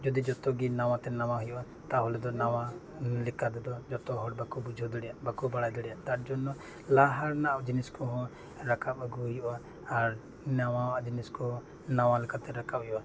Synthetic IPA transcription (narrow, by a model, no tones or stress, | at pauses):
d͡ʒɔd̪id͡ʒɔt̪ɔɡinaw̃ãt̪ɛnawaɦujɔʔa | t̪aɦɔlɛd̪ɔnawa | lɛkad̪ɛd̪ɔd͡ʒɔt̪ɔɦɔʈ̚bakubud͡ʒʱɔd̪ɔɽɛjabakubaɽajd̪ɔɽɛjaʔt̪aɾd͡ʒɔnɔ | laɦaɾnad͡ʒiniskɔɦɔ̃ | ɾakʰapaɡuɦujɔʔaː | ɾ | nawawaʔd͡ʒiniskɔɦɔ̃ | nawalɛkat̪ɛɾakapɔjɔʔa